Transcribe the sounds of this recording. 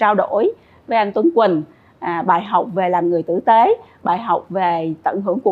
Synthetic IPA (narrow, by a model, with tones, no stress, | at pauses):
aː˧wɗo̰˧˥j | vəː˨˧˦ʔa˧jŋ̟t̪wə˧nkwï˨˩ŋ̟˨˩ | ɓaː˧˩jɦa˨˩wk͡p̚ve˨˩laː˨˩mŋɨ˨˩əjt̪ɨ̰˧˥t̪e˨˦ɓa̰ː˨˩jɦa˨˩wk͡p̚ve˨˩t̪ə̰˧˩nɦɨ˧˥əŋku˧˩ə